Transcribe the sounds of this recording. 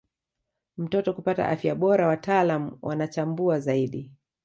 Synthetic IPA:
m̩tɔtɔkupata̰ʔafjaɓɔɾawataːlamuwʔa̰nat͡ʃambuazaiɗi

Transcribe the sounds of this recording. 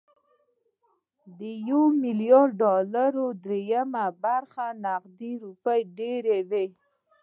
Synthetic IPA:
d̪əjowmɪljɑɾɖɑlaɾod̪ɾejamabaɾxanaqd̪iɾupəjɖeɾewe

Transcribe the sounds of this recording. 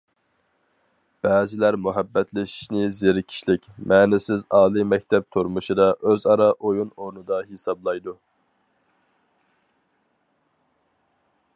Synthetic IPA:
b̥æːzɪlæɾmuɦæbːɛt̪ʰlɪʃi̥ʃnɪzeɾɪkʲʰi̥ʃlɪkʲmʔɛːnɪsɪzɑːlˠimɛk̚ʲt̪ʰɛp̚t̪ʰoɾmuʃɨd̪ɑʔøzɑɾɑʔojunoɾnɨd̪ɑɦesɑblˠɑjd̪u

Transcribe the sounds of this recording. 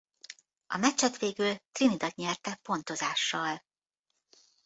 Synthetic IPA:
ɒ̰mɛt͡ʃːɛt̪ʋeːɡylt̪rinid̪ɒt̪ɲɛrt̪ɛpo̞nt̪o̞zaːʃːɒl

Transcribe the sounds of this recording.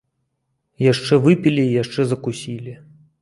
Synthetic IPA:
jaʂt͡ʂɛvɨpʲilʲiːjaʂt͡ʂɛzɐkusʲilʲi

